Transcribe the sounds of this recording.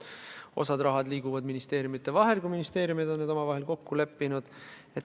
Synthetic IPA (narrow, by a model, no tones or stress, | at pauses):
o̞̰sɑd̪rɑɦɑd̪liːɡuvɑd̪minist̪e̞ːɾjumit̪ːˑe̞vɑɦe̞lkujminist̪e̞ːɾjumid̪o̞nːed̪o̞mɑvɑɦe̞lko̞kːule̞pːinud̪̥ | e